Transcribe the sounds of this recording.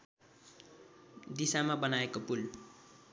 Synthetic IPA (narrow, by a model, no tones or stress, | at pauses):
d̪isamabʌnaekopul